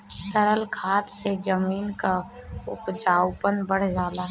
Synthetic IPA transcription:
səɾəlkʰaːt̪sed͡ʒəmiːnka | ʊ̰pd͡ʒaːʊpənbəɽ̤d͡ʒaːlaː

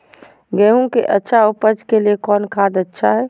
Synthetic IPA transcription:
ɡɛːɦũkeʔətːʃʰaʊpəd͡ʒkeliekɔːnkʰaːd̪ətːʃʰaɦɛː

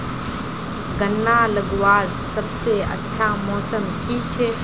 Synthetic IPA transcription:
ɡənːaləɡwaːd̪ | səbseə̰tːʃʰamɔːsəmkit͡ʃʰɛ

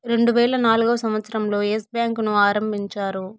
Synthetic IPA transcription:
ɾe̞ɳɖuʋɛːɭɐnaːluɡɐʋɐsɐmʋɐt̪sɐɾɐmlo̞ːesbjaːŋknuaːɾɐmbiɲt͡ʃaːɾu

